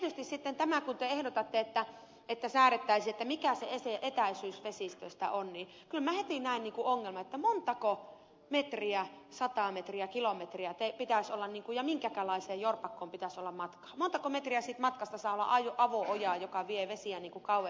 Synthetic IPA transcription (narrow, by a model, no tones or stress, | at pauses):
t̪iet̪yst̪issit̪ːent̪æmækunt̪eehɾot̪ɑt̪ːeet̪ːæ | et̪ːæsæːret̪ːæisiet̪ːæmikæsḛeseʔet̪æisyːsʋesist̪ø̰st̪æ̰ʔonniː | kylmæhet̪inæˑinniːŋkuoŋːelmɑet̪ːæmont̪ɑko | met̪riæsɑt̪ɑˑmet̪riækilomet̪riæt̪epit̪æˑsolːɑnniːŋkujɑmiŋkækælɑiseːjjorpɑkːoːmpit̪æsolːɑmmɑt̪kɑ̥ːmont̪ɑkomet̪riæsit̪mɑt̪kɑst̪ɑsɑːolːɑ̰ʔɑjoʔɑʋoʔojɑːˑjokɑʋieʋesiæniːŋkukɑuʋe